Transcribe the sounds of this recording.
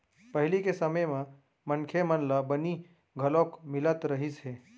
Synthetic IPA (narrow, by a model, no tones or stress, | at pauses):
pəɦɪlikesəməjmã | mənkʰemənlabəni | ɡʱəlokmɪlət̪ɾəɦisɦeː